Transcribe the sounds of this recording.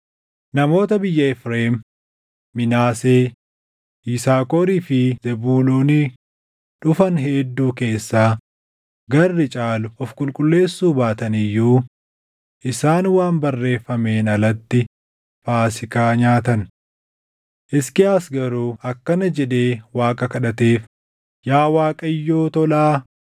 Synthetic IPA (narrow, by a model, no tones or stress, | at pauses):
nɐmo̞ːt̪ɐbɪjːɐɪfɾeːmː | ɪnaːseː | iːsaːkoːɾiːfɪzɛbuːluːni | ᶑʊfɐnɦeːd̪ːuːke̞ːsːaː | ɡɐrːɪt͡ʃʼaːlʊɔfkʼʊlkʼʊlːe̞ːsːuːbaːt̪ɐnɪjːuː | ʔɪsaːnwaːmbɐrːe̞ːfːɐme̞ːnɐlɐt̪ːɪ | faːsɪkaːɲaːt̪ɐn | ʔɪskɪaːsɡɐɾuːɐkːɐnɐd͡ʒɛᶑe̞ːwaːkʼɐkɐᶑɐt̪e̞ːf | jaːwaːkʼɐjːoːt̪ɔlaː